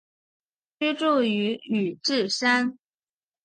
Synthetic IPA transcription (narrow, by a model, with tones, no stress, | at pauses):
t͡ɕy˥ʈ͡ʂu˥˩y˧˥y˨˩ʈ͡ʂɻ̩˥˩ʂa˥n